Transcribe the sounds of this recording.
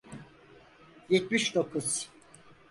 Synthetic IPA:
jɛt̪miʃd̪o̞kʰuz̥

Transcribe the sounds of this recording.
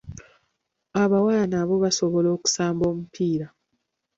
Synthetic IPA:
aβawajanaβo̞βasoβo̞lo̞ːku̥saːmbo̞ːmupʰiːɾa

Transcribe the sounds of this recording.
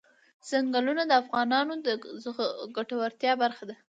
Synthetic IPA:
z̥aŋɡalunad̪əafɣɑnɑnod̪əzɡaʈawaɾt̪jɑbaɾxad̪a

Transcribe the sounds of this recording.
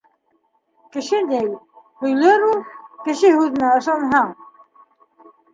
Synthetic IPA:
kɘ̆ʃɘd̪ejwhɵ̆jløɾulˠkɘ̆ʃɘɦʉðɘ̆næɤ̆ʃˠɑnɦɑŋ

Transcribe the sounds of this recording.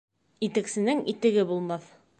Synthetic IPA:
it̪ɘ̆ksɘ̆nɘŋit̪ɘ̆ɡɘbulˠmɑθ

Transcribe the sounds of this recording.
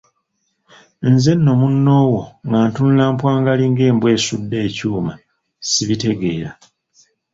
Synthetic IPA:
nze̞nːo̞munːo̞ːwoŋɡaːntunulaːmpwaːŋɡaliːŋɡe̞ːmbwe̞ːsudːe̞ːcuːma | siβite̞ɡe̞ːɾa

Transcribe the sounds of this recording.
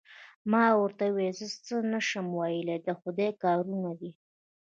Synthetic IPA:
mɑwəɾt̪awezət͡sənəʃəmwɑjəled̪əxʊd̪ejkɑɾunad̪i

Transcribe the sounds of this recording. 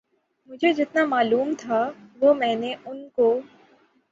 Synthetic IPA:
mʊd͡ʒʱed͡ʒɪt̪namaːluːmt̪ʰaʋomɛ̃ːneʔʊnko

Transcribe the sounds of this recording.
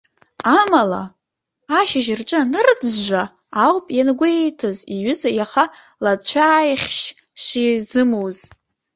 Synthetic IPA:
amala̰ | aʃɪʒɪrʈ͡ʂʼanɨrd͡zʒʷaː | wpʼjanɡʷejtʰaziɥʏzajaχa | lat͡ɕʷʰaːjχʲʃʂizɨmowz

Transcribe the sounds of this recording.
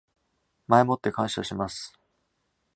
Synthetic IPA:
mae̞mo̞t̪ːe̞kãɰ̃ɕaɕimasɨ̥

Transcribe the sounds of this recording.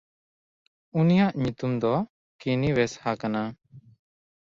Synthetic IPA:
unijaʔɲut̪umd̪ɔ | kiniwɛshakana

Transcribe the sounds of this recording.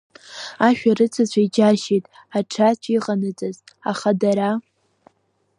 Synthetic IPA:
aʃᶣarɨt͡sʰat͡ɕʷʰaid͡ʒaʃetʼ | aʈ͡ʂʰat͡ʃʷʰiqʼanɨd͡zʼaz | a̰χadaɾa

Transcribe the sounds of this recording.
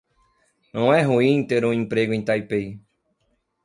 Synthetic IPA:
õẽɦuĩĩt̪eɾõĩmpɾeɡoĩt̪ajpej

